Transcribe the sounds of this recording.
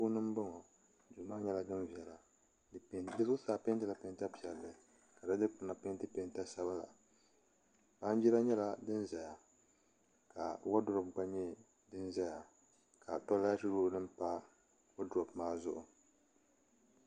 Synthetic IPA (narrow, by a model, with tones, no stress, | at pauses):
puː˦nɨ˦m˦bɔ˦ŋɔ˨ | du˨maː˦ɲɛ˦la˨dɨ˦mvi˨ɛ˨la˨ | dɨ˦sʊ˦saː˨pe˦ntɨ˦la˨pe˦nta˦pi˨ɛ˨lːɨ˨ | ka˨da˦dɨ˦k͡pʊ˨na˨pe˦n˦tɨ˦pe˨nta˦sa˦ba˦la̰˨ | ba˦n˦d͡ʒi˦la˦ɲɛ˦la˨dɨ˦n˦za˨ja˨ | ka̰˨wa˦dɾɔ˨p̚ɡ͡ba˦ɲɛ˦ | dɨ˦nza˦ja˨ | kʰa˨tɔ˦la˦a˦tɨ˦ɾuː˦dɨ˦mpa˦ | wo˦dɔ˨bmaː˦zʊ˦ʔʊ˨